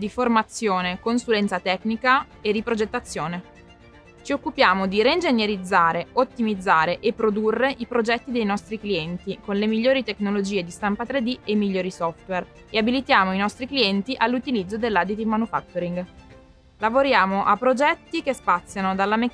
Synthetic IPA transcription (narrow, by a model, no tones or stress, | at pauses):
d̪iformat̪sːjoːnekonsulɛnt̪sat̪ɛknika | erːipɾod͡ʒet̪ːat̪sːjoːne | t͡ʃiokːupjaːmod̪iɾeind͡ʒenjeɾid̪zːaːɾeot̪ːimid̪zːaːɾeʔepːɾod̪urːeʔipɾod͡ʒɛt̪ːid̪ejnɔst̪ɾikliɛnt̪ikonlemiʎːoːɾit̪eknolod͡ʒiːed̪ist̪ampat̪ɾed̪iemiʎːoːɾisɔft̪wer | eabilit̪jaːmoinɔst̪ɾikliɛnt̪iʔalːut̪ilid̪zːod̪elːad̪it̪imanufa̰kt̪oɾiŋɡ | lavoɾjaːmoʔapːɾod͡ʒɛt̪ːikespat̪sːjanod̪alːame